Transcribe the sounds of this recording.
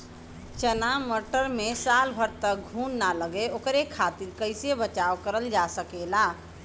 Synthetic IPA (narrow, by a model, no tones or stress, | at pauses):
t͡ʃənaməʈəɾmesalbʱəɾt̪ək̚ɡʱunːaləɡeokɾekʰat̪iɾkəɪsebət͡ʃakəɾəld͡ʒasəkela